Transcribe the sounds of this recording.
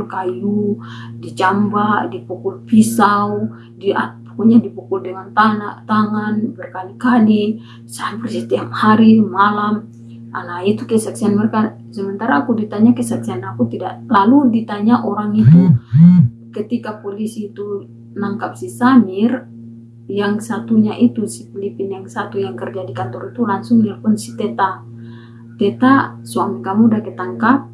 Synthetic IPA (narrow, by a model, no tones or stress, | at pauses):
kajudid͡ʒambadipukulfisaw | dia̰pu̥kulɲadipukuldəŋant̪anat̪aŋanbərkalikali | saampərsit̪iamhaɾimalam | ʔanait̪ukɛsaksianmərka | səmənt̪aɾaːkudit̪aɲakɛsak̚sianakut̪ida̰ʔlaludit̪aɲaʔoɾaŋit̪u | kət̪ikapolisiːt̪u | naŋkap̚sisanir | jaŋsat̪uɲaʔit̪usi̥pilipinjaŋsat̪ujaŋkərd͡ʒadikant̪ɔɾit̪ulaŋsʊŋnirpunsi̥t̪ɛt̪a | t̪ɛt̪asuamikamudakɛt̪aŋkap̚